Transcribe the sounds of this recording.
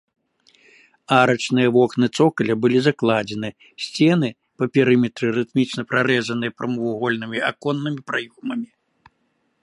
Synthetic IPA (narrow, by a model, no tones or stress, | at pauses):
aɾɐt͡ʂnɨjɐvɔknɨt̪sɔkɐlʲɐbɨlʲizaklˠad͡zʲɛn̪ɨ | sʲt͡sʲɛnɨ | pɐpʲɛɾɨmʲɛt̪ɾɨɾɨt̪mʲit͡ʂnɐpɾaɾɛzɐnɨjɐpɾʔɐmɨvuɣɔlʲnɨmʲiakɔnːɨmʲipɾajɔmɐmʲi